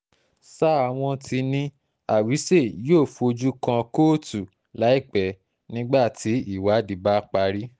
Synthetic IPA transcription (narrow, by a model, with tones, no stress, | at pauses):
sa˦a˧˨w̃ɔ̃˧ti˧nĩ˧ | a˨wi˨˦se˦˨joː˦˨fu˧o˧d͡ʒu˦kã˧ko˦tu˨ | la˨˦i˦˨k͡pɛ˨ | nĩ˨˦ɡ͡ba˦˨tʰi˨˦i˦˨wa˨˦di˨˦ba˦k͡pa˧ɾi˦